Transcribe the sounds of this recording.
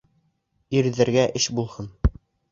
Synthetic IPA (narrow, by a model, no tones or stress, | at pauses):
iɾðɘ̆ɾɡæʔɘʃbulˠhɤn